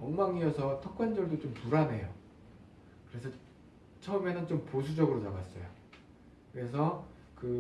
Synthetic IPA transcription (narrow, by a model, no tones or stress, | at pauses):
ʌŋmaŋiʌsʰʌtʰʌk͈ʰwand͡ʑʌɭdot͡ɕompuɾane̞jo | kɯɾe̞sʰʌ | t͡ɕʰʌʌme̞nɯnt͡ɕomposʰud͡ʑʌɡɯɾot͡ɕaɡas͈ʌ̰jo̰ | kɯɾe̞s̬ʰʌ | kɯ